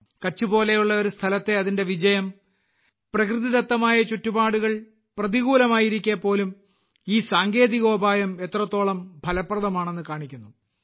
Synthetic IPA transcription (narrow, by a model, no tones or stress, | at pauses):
kɐt͡ɕːubo̞ːle̞juɭːɐo̞ɾust̪ʰɐlɐt̪ːe̞ɐðinde̞ʋid͡ʑɐjɐm | prɐkrɨðiðɐt̪ːɐmaːjɐt͡ɕutːubaːɽuɣɐɭ | prɐðiɣuːlɐmaːjiɾikʲːeːpːo̞ːlum | iːsaːŋɡe̞ːðiɣo̞ːbʱaːjɐme̞t̪rɐt̪ːo̞ːɭɐmbʱɐlɐprɐðɐmaːɳe̞nːɨkaːɳikʲːunːu